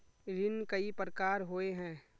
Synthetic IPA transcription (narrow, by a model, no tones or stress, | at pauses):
ɾɪnkəipɾəkaːɾɦoeɦɛ̃ː